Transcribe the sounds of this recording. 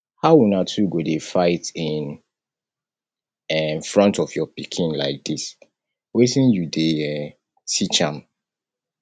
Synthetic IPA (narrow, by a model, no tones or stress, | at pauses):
haʊwunatʰuɡodefaɪtĩn | ɛnfɹɔ̃ntɔfjɔpikʰĩnlaɪk̚dis | wetĩnjudeɛ | tʰit͡ʃãm